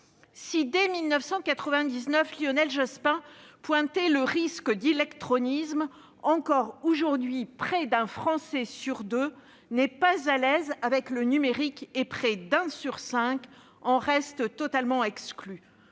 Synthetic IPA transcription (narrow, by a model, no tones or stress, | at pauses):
sid̪emilnəfsɑ̃kat̪χəvɛ̃d̪iznœfljɔnɛlʒaspɛ̃pwɛ̃t̪eləʁiskəd̪ilɛkt̪χɔnism | ɑ̃kɔʁoʒuʁd̪ɥipχɛd̪ɛ̃fχɑ̃sɛsyʁd̪ø | nɛpazalɛzavɛklənymeʁikepχɛd̪ɛ̃syʁsɛ̃k | ɑ̃ʁɛst̪ət̪ɔt̪almɑ̃ɛkskly